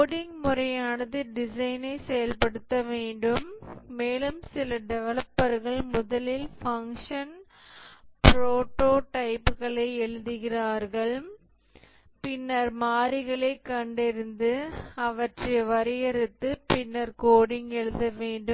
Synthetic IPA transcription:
oːɽɪŋɡmʊrɐjaːnɐðɯɖɪsɐɪnɐɪsɛjɐlpɐɽɯt̪ːɐʋeːɳɖɯmːeːlɯmsɪlɐɖɛʋɐɭɐpːɐɾɣɐɭmʊðɐlɪlfɐŋʂɐn | pɾoːʈoːʈɐɪpːɯɣɐɭɐɪɛɭɯðɯɣɪraːɾɣɐɭ | pɪnːɐɾmaːɾɪɣɐɭɐɪkːɐɳɖɪɾɯnd̪ɯɐʋɐʈrɐʋɐɾɪjɐɾɯt̪ːɯpɪnːɐɾkoːɽɪŋɡɛɻɯðɐʋeːɳɖɯm

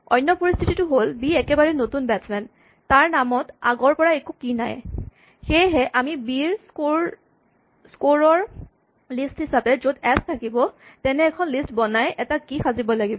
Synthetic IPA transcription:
ɔ̰jnːɔpoɹist̪ʰititʊɦolbiɛkɛbaɹɛnotunbɛtsmɛn | taɹnamɔta̰ɡɔɹpɔɹaekukina̰j | xejɦɛʔamibiɹskoɹ | skoɹɔɹ | listhisabɛzodɛstʰakibɔtɛnɛːkʰɔnlistbɔnajʔɛtakixʰazibɔlaɡibɔ

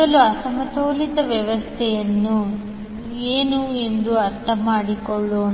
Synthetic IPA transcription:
ɐluɐsɐmɐt̪oːlit̪ɐʋjɐʋɐst̪ʰɛjɐnːu | eːnuend̪uɐɾt̪ʰɐmaːɽikɔɭːoːn

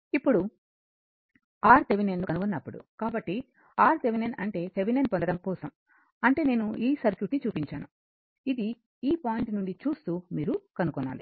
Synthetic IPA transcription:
ipːuɽu | aːɾt̪eʋinenːukɐnukunːɐpːuɽṵkaːbɐʈːi | aːɾt̪eʋinenɐɳʈe̞ːt̪eʋinenpond̪ɐɽɐmkɔːsɐm | ɐɳʈe̞ːne̞ːnuiːsɐɾkjuːʈnit͡ʃuːpiɲt͡ʃaːnu | id̪i | iːpaːjiɳʈnuɳɖit͡ʃuːst̪uːmiːɾukɐnukɔnːa̰ːli

